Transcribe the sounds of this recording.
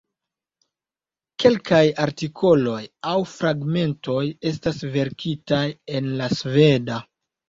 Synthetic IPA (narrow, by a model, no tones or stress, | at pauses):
ke̞lkajaɾtikʰo̞lo̞jawfɾaɡme̞nto̞je̞s̬tasve̞ɾkʰitaje̞nlasve̞da